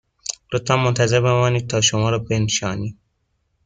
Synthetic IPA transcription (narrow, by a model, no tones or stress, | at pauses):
lot̪væmːont̪ʰæze̞ɾbe̞mɒːniːd̪̚t̪ʰɒːʃomɒːɾɒːbe̞nʃɒːni̥ː